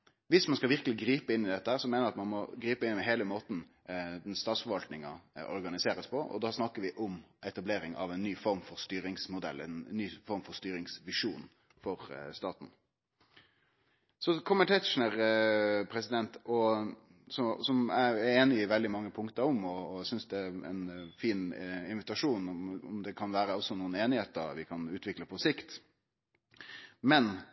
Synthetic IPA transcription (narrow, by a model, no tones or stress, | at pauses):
ʋɪsmɑnskɑlʋɪɾkəlɪɡɾiːpəɪnːɪd̪ɛt̪ːəhæːɾsɔmɛːnəɾɑt̪mɑnmɔɡɾiːpəɪnːɪmɛɦeːləmoːt̪n̩ | d̪ɛnst̪ɑːt̪sfɔɾʋɑlt̪nɪŋɑɔ̰ɾɡɑnɪseːɾəspʰɔʔɔ̰d̪ɑːsnɑkːəɾʋɪʔʊmʔɛt̪ɑbleːɾɪŋɑ̰ʋɛnːyːfɔɾmfɔɾst̪yːɾɪŋsmʊd̪ɛ̰lːɛnːyːfɔɾmfɔɾst̪yːɾɪŋsʋɪʂuːn | fɔɾst̪ɑːt̪n̩ | sɔkʰɔməʈɛt̪ʂnəʁpʰɾɛsɪd̪ɛnt̪ɔ | sɔsɔmææɾeːnɪɪʋɛld̪ɪmɑŋːəpʰʊŋkt̪əɾɔmɔːsʏnsd̪ɛæɛ̰nfiːnɪnʋɪt̪ɑʂuːnɔmɔ̰md̪ɛkʰɑnʋæːɾəɔsːɔnuːneːnɪheːt̪ə̰ɾʋɪkʰɑnʉːt̪ʋɪkləpʰɔsɪkt̪ | mɛn